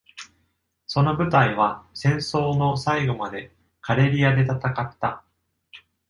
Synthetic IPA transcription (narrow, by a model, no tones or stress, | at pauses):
so̞no̞bɯ̟t̪aiβ̞asẽ̞ɰ̃so̞ːno̞saiɡo̞mad̪e̞ | kaɾe̞ɾʲiad̪e̞t̪at̪akat̪ːa